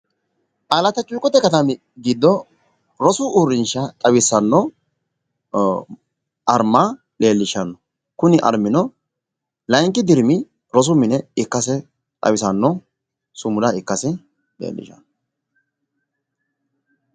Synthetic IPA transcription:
ʔɐlɐt̪ɐt͡ʃʼuːkʼɔt̪ːɛkɐt̪ɐmɪ | ɡiːd̪ːɔ | ɾɔsʊuɾːɪnʃɐt̪ʼɐwɪsɐnːɔ | ʔɐɾmːa | leːlːɪʃɐnːɔ | kʊnɪʔɐ̰ɾmɪnɔ | lɐjŋk̬ːɪd̪ɪɾmɪ | ɾɔs̬ʊmɪnɛɪkːɐsɛ | t̪ʼɐ̰wɪsɐnːɔ | sʊmʊlɐɪkːɐsɛ | lḛːlːɪ̰ʃɐ̰nɔ

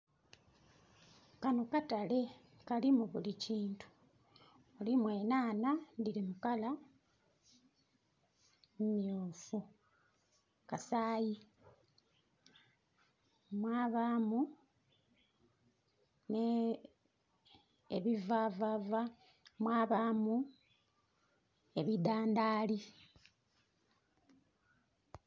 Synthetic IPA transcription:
kano̞katale̞ | kalimuβuliciːntu̥ | olimwe̞ːnaːnandilimukala | mumijoːfu | kasaːji | mwaːβamu | ne | eβivavava | mwaːβaːmu | e̞βid̪aːnd̪aːli

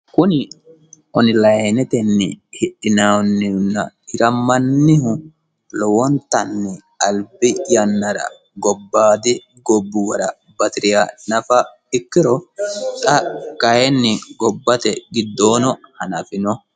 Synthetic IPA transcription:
kʊnɪ | ɔnɪlɐjnɛt̪ɛnːɪhɪɗɪnaːnːɪʊnːɐ̰hɪɾɐmːɐnːɪɦʊ | lɔwɔnt̪ːɐnːɪ | ɐlbɪjɐnːɐɾɐ̰ | ɡɔbːaːd̪ɪ | ɡɔbːɪwɐɾɐ | bɐt̪ɪɾɪjaːnɐfɐ | ɪkːɪɾɔt̪ʼɐkɐhɛnːɪɡɔbːɐt̪ɛɡɪd̪ːoːnɔhɐnɐfɪnɔ

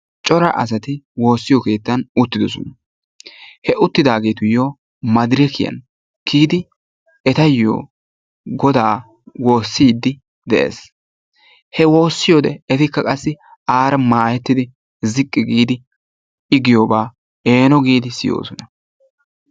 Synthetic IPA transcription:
t͡ʃʼɔɾɐʔɐ̰s̬ɐt̪ɪwo̞ːsːɪjɔke̞ːt̪ːɐnʊt̪ːɪd̪ɔsɔ̰nɐ | hɛʊt̪ːɪd̪aːɡe̞ːt̪ʊjoː | mɐd̪ɾɪkɪjɐ̰n | kʰiːd̪ɪ | ɛt̪ɐjːo̰ː | ɡɔd̪aː | wo̞ːsːiːd̪ːɪ | d̪ɛʔḛːs | hɛwo̞ːsːɪjoːd̪ɛɛt̪ɪkːɐkʼɐsːɪ | aːɾɐmaːjɛt̪ːɪd̪ɪ | zɪkʼːɪɡiːd̪ɪ | ɪɡɪjoːbaː | eːnɔɡiːd̪ɪsɪjo̰ːsɔnɐ

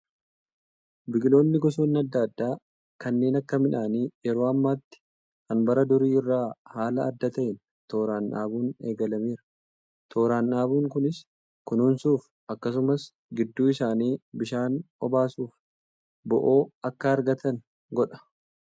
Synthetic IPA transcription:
bɪɡlo̞ːnːɪɡɔs̬uːnːɐd̪ːɐd̪ːaː | kɐnːe̞ːnɐkːɐmɪᶑaːniːjɛɾo̞ːɐmːaːt̪ːɪ̥ | kɐnbɐɾɐd̪ʊɾiːɪrːaːhaːlɐɐd̪ːɐt̪ɐʔɪn | t̪o̞ːɾaːnᶑa̰ːbuːne̞ːɡɐlɐmiːɾɐ̥ | t̪ʰo̞ːɾaːnʔaːbuːŋkʊnɪs | kʊnuːnsuːf | ʔɐkːɐs̬ʊmɐs | ɡɪd̪ːuːɪsaːniːbɪʃaːnɔbaːsuːf | bɔʔo̞ːɐkːɐːɾɡɐt̪ʰɐn | ɡɔᶑɐ̥

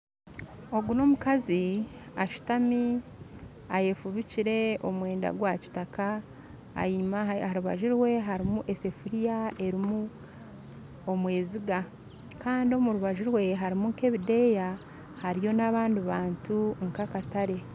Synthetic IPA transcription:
o̞ɡuno̞mukaziaʃu̥tami | aje̞fuβiciɾe̞o̞mwe̞ːnda̰ɡwaci̥taka | a̰maaɾuβa̰ʒiɾwe̞ɦaɾimuʔe̞se̞fuɾijae̞ɾimu | omwe̞ːziɡa | kaːndio̞muɾuβaʒiɾwe̞ɦaɾimuŋke̞βide̞ja | haɾijo̞naβaːndiβaːntuŋkakataɾe̞

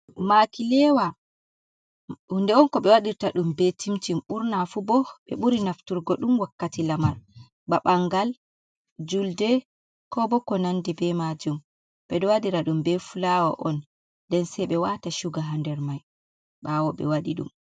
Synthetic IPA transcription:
makilɛwa | hundɛɔnkɔɓɛwaɗiɾtaɗumbɛtimtimʔuɾnafubɔɓɛ̰ɓuɾinaftuɾɡɔɗumwakːatilamaɾ | ɓaɓaŋɡal | d͡ʒuldɛ | kɔbɔkɔnandɛbɛmad͡ʒum | ɓɛɗɔwadiɾaɗumbɛfulawa̰ʔɔn | dɛnsɛjɓɛwataʃuɡaɦandɛɾmaj | ɓawɔɓɛ̰waɗiɗṵm

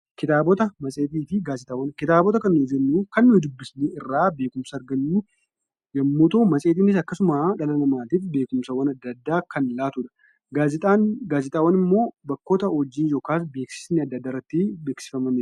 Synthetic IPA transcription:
kɪt̪aːbɔt̪ɐmɐsʼeːt̪iːfɪɡaːzɪt̪aːwɐnkɪt̪aːbɔt̪̬ɐkɐnːʊd͡ʒɛnːukɐnːʊhɪd̪ʊbːɪsneɪrːaːbe̞ːkʊmsɐːɾɡɐnːu | jɐmːuːt̪oːmɐsʼeːt̪iːnɪs̬ɐkːɐsʊmaːᶑɐlɐnɐmaːt̪iːfbe̞ːkʊmsɐwɐnɐd̪ːɐd̪ːaːkɐnlaːt̪uːᶑɐ̥ | ɡaːzɪt̪ʼaːnɡaːzɪt̪ʼaːwɐnɪmːo̞ːbɐkːo̞ːt̪ɐhɔd͡ʒːiːnjo̞ːkaːs̬be̞ːksɪ̥snɛɐd̪ːɐd̪ːaːɪrːɐt̪ːɪbeːksɪ̥fɐmɐmeɾ

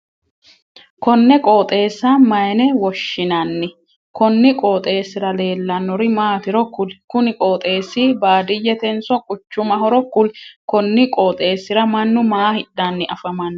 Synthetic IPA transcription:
kɔnːɛkʼoːt̪ʼe̞ːsːɐmɐjɛnɛwɔʃːɪnɐnːɪ | kɔnːɪkʼoːt̪ʼe̞ːsɪɾɐle̞ːlːɐnːɔɾɪmaːt̪ɪɾɔkːʊlkʊnɪkʼoːt̪ʼe̞ːsɪbaːd̪ɪjɛt̪ɛnsɔkʼʊt͡ʃːʊmɐhɔɾɔkːʊlkɔnːɪkʼoːt̪ʼe̞ːsːɪɾɐmɐnːʊmaːhɪᶑːanːɪʔɐfɐmɐnː

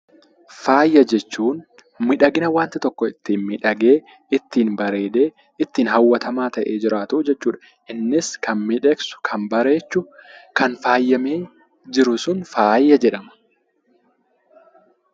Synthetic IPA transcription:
faːjːɐd͡ʒɛt͡ʃːuːn | mɪᶑɐɡɪnɐwaːnt̪ɪt̪ɔkːɔɪt̪ːiːnmɪᶑɐɡe̞ː | ɪt̪ːiːnbɐɾe̞ːd̪e̞ː | ɪt̪ːiːnɦɐwːɐt̪ʰɐmaːt̪ɐʔe̞ːd͡ʒɪɾaːt̪ɐʔːd͡ʒɛt͡ʃːuːᶑɐ̥ | ʔɪnːɪskɐnmɪᶑɛksʊ̥kʰɐmbɐɾe̞ːt͡ʃːʊkʰɐnfaːjːɐmeː | d͡ʒɪɾʊsʊnfaːjːɐd͡ʒɛᶑɐmɐ̥

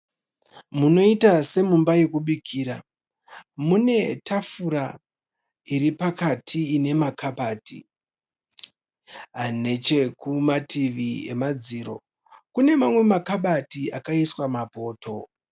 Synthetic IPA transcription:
muno̞itase̞mumbaje̞kuɓikʰiːɾa | mune̞tʰafuɾa | iɾipakatʰiːne̞makapaːtḭ | ɦane̞t͡ʃe̞kumatiʋie̞̰mad͡ziːɾo̞̰ | kune̞mamwe̞makaɓatiakaiswamapo̞ːto̞

